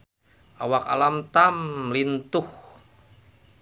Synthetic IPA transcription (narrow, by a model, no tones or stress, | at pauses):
ʔawaka̰lamt̪amlint̪ʊh